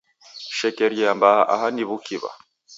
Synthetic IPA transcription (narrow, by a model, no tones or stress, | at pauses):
ʃɛkɛɾjɛambaaʔa̰haniβukiβa̰